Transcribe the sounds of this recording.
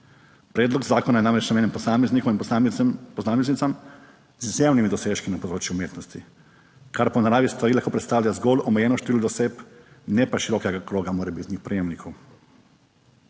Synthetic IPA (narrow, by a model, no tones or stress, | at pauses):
pɾeːd̪lɔɡzaːkonajenaːmɾet͡ʃnameːnɛmposameznikominpaposaːmeznit̪sam | zizjewnimid̪oseʃkinapod̪ɾoːt͡ʃjuumjeːt̪nost̪i | kaɾponaɾaːʋist̪ʋaɾiːlakopɾet̪st̪aːwʎʲazɡoːlomejeːnɔʃt̪eʋilud̪osep | nɛpaʃiɾokeɡakɾoːɡamoːɾɛbit̪ɲixpɾijemnikʰow